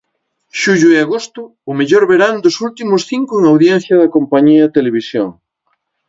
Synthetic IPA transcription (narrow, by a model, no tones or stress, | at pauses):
ʃuʎʊeaɣost̪ʊ | ʊmeʎoɾβeɾand̪ʊsult̪imʊsθiŋkʊeŋawðjen̟θjɐðɐkompaɲiɐt̪eleβ̞isjo̰ŋ